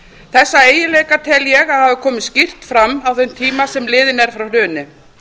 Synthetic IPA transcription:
θɛsːaeːjɪleːjkat̪ʰɛljɛɣahaːvɪkʰɔːmɪscir̥t̪fɾamːawθœɥmt̪ʰiːmasɛmlɪːðɪnɛɾ̥fɾawlʏːnɪ

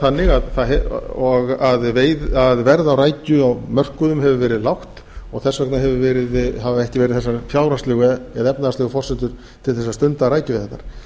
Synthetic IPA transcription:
θanːɪɣaðθaðɦɛɔɣaðveːjðaðvɛɾðawraːjcʏɔɣmœr̥kʏðʏmɦɛvʏvɛːɾɪðlawht̪ | ɔɣθɛsːvɛknaɦɛvʏvɛːɾɪðɦavaɛhcɪvɛɾɪðθɛsːafjaːwɾaslʏɣʏɛðɛpnaðast̪ʏːɣʏfɔr̥sʏnt̪ʏɾ̥ | t̪ʰɪlθɛsːast̪ʏnt̪aɾaːjcʏvɪðθɛt̪ːa̰ɾ̥

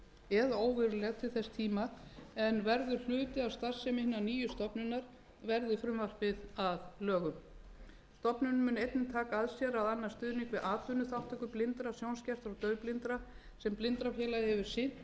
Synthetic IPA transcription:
ɛðoːwvɪɾʏlɛɣt̪ʰɪlθɛst̪ʰiːmaɛnvɛɾðʏɾ̥l̥ʏːt̪ɪawst̪ar̥sɛmɪhnːaniːjʏst̪ɔpnʏnaɾ̥ | vɛɾðɪfɾʏmvar̥pɪðaðlœːɣʏm | st̪ɔpnʏnmːʏːnejt̪nɪt̪ʰaːkaaðsjɛɾaðanːḁst̪ʏːðnɪŋkvɪðʔaːt̪ʏnʏθawht̪ʰɛkʏplɪnt̪ɾasjownscɛr̥t̪aɣt̪œːɥplɪnt̪ɾa | sɛmplɪnt̪ɾafjɛːlaðɪhɛvɪɾ̥sɪ̥

